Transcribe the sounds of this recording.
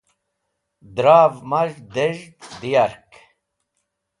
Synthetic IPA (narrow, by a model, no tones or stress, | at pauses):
d̪ɾaːvmɐʐd̪eʒd̪d̪ijaɾk